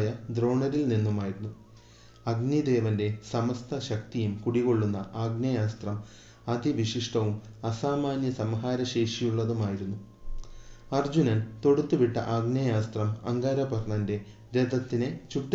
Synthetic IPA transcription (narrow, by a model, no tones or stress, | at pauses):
jɐd̪ro̞ːɳɐɾilninːumaːjiɾunːu | ɐɡnid̪e̞ːʋɐnde̞sɐmɐst̪ʰɐɕɐk̚t̪ijumkuɽiɣo̞ɭːunːɐʔaːɡnɐjaːst̪rɐm | ɐd̪iʋiʂiʂʈʰɐʋum | ɐsaːmaːnjɐsɐmɐɦaːɾɐɕe̞ːʂijuɭːɐðumaːjiɾunːu | ɐrd͡ʑunɐnt̪o̞ɽut̪ːuʋiʈːɐ̰ʔaːɡnɐjaːst̪rɐmɐ̰ŋɡaːɾɐbɐrɳɐnde̞ | ɾed̪ʱɐt̪ːinet͡ɕuʈː